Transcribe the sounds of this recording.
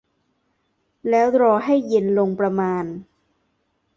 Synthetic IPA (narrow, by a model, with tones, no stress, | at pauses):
lɛː˦˥wɾɔː˧ɦa˥˩jːe˧nlo˧ŋpɾa˧maː˧n